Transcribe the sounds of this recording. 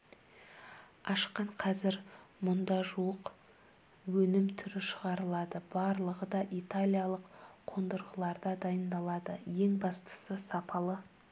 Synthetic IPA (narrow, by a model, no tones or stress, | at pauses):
ɑʃqɑɴqʰɑzɪɾmʊnd̪ɑʒuəq | wɵnɪmt̪ʰʏɾɪʃəʁɑɾəlˠɑd̪əb̥ɑɾlˠəʁəd̪ɑʔit̪alʲijɑlˠəqqʰo̞nd̪əɾʁəlˠɑɾd̪ɑd̪ɑjənd̪ɑlˠɑd̪əje̞ŋbɑst̪ə̥səsɑpʰɑlˠə